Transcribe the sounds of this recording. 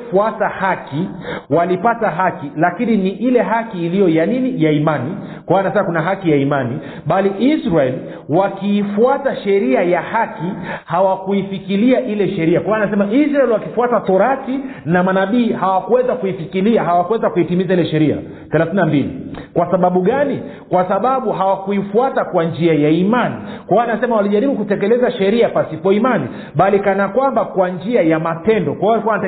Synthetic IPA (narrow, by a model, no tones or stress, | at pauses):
fuatahaki | walipataɦakilakininiʔilɛɦakiːlijɔjaninijaimani | kwawanasɛmakunaɦakijaimani | ɓaliʔisɾaɛl | wakiːfuataʃɛɾiajahakihawakuifikiliaʔilɛʃɛɾiakwawanasɛmaʔisɾaɛlwakifuatatɔɾakinamanaɓiːhawakuwɛzakuifikiliaɦawakuwɛzakuitimizailɛʃɛɾia̰ | θɛlaθinambilḭkwasaɓaɓuɠani | kwasaɓaɓuɦawakuifuatakwand͡ʒiajaimanḭkwawaanasɛmawaliʄaɾiɓukutɛkɛlɛzaʃɛɾiapasipɔimani | ɓalikanakwambakwand͡ʒiajamapɛndɔkwaiwalikuana